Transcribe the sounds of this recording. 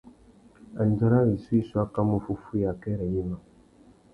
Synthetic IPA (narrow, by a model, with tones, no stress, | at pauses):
a˨n˦d͡ʒa˦ɾa˦ɾi˨su˦i˦su˦a˦ka˦mo˦fu˦fu˦ja˨kɛ˦ɾɛ˨ɲi˦ma˨